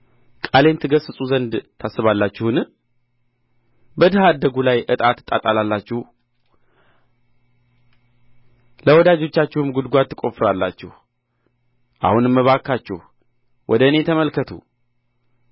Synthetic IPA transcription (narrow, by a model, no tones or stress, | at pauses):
kʼale̞nt̪ʰɨɡəsɨsʼuzənd̪t̪ʰasːɨβalːat͡ʃːɪhun | bəd̪ɨhad̪ːəɡulajʔɨt̪ʼat̪ːɨt̪ʼːat̪ʼalalːat͡ʃːɪh | ləwɔd̪ad͡ʒo̞t͡ʃːat͡ʃːɪhumɡud̪ɡʷat̪ːɨkʼo̞fɨɾalːa̰t͡ʃːɛhu | ʔa̰hunɨmːəβakːat͡ʃːɛ̰h | wʔɔd̪əɨne̞t̪ʰəməlkət̪ʰṵ